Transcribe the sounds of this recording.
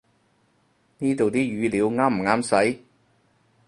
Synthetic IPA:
niː˥t̪o˨wt̪iː˥jyː˨˧liː˨˧wŋaː˥m̩˨˩ŋaː˥msɐ˨˥j

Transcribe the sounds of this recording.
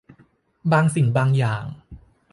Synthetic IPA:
baː˧ŋsi˨˩ŋbaː˧ŋjaː˨˩ŋ

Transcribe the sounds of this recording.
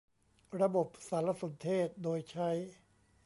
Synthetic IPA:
ɾa˧bo˨˩p̚saː˩˦nla˧so˩˦nt̪ʰeː˥˩t̪̚doː˧jt͡ɕʰa˦˥j

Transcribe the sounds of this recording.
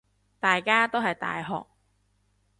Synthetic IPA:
t̪aː˨jkaː˥t̪o˥wɦɐ˨jt̪a̰ː˨jɦɔ̰ː˨k̚

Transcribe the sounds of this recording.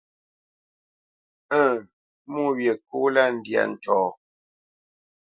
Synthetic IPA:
ə̃ː˦˨ | mu˦wje˨ku˦la˦n̩˨dja̰˨n̩˨tɔː˨

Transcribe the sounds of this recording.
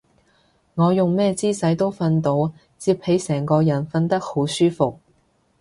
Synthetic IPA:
ŋɔː˨˧jʊ˨ŋmɛː˥t͡siː˥sɐ˨˥jt̪o˥wfɐ˧nt̪o˨˥w | t͡siː˧p̚he˨˥jsɛː˨˩ŋkɔː˧jɐ˨˩nfɐ˧nt̪ɐ˥k̚ho˨˥wsyː˥fʊ˨k̚

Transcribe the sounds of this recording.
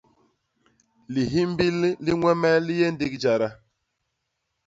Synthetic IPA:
li˨ɦi˦m˦bi˦lli˦ŋwɛ˦mɛ˦li˦je˦n̩˦di˦kd͡ʒa˨ɾa˦

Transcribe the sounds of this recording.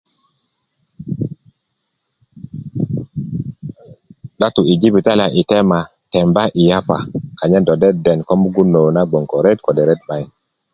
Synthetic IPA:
ɗa˦tu˨i˨d͡ʒi˦bi˨ta˦li˨a˨ʔi˨tɛ˦ma˨ | tɛ˨mba˦ʔi˨ja˦pa̰˨ka˨ɲa˦do˨dɛ˦dɛ˨nko˦mu˦ɡu˦nːo˨na˦ɡ͡bo˨ŋko˨ɾe˦tko˨de˨ɾe˦t̚ɓa˦˨j

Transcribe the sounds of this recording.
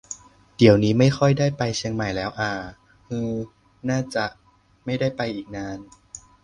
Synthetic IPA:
d̥i˨˩˦əwniː˦˥ma˥˩jxʰɔ˥˩jdaː˥˩jpa˧jt͡ɕʰi˧əŋma˨˩jlɛː˦˥wʔaː˨˧˩ | hɯː˧ | naː˥˩t͡ɕa˨˩ʔ | ma˥˩jdaː˥˩jpa˧jʔiː˨˩k̚naː˧˥n

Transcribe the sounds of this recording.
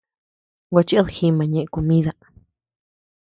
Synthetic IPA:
wa˧t͡ʃi˦ʔðxi˧mã˨ɲẽ˧˨ʔẽ˧ko˧mĩ˦ða˧

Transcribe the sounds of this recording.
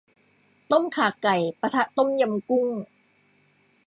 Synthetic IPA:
t̪o˥˩mkʰaː˨˩kːa˨˩jpa˧t̪ʰa˦˥ʔt̪o˥˩mja˧mku˥˩ŋ

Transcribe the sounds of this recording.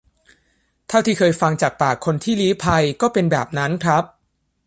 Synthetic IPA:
t̪ʰa˥˩wt̪ʰi˥˩kʰɤː˧jfa˧ŋt͡ɕaː˨˩k̚paː˨˩kʰːo˧nt̪ʰiː˥˩liː˦˥pʰa˧jkɔː˥˩pe˧nbɛ̰ː˨˩p̚na˦˥nkʰɾa˦˥p̚

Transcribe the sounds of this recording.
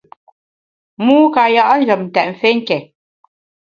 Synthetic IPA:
muː˦ka˨ja˦ʔn̩˦d͡ʒə˨mn̩˨tɛ˨ʔɱ˨fe˦ŋ̩˦kɛ˨

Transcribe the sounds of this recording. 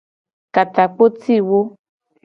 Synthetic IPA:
ka˨t̪a˨k͡po˦ti˦˨wo˦

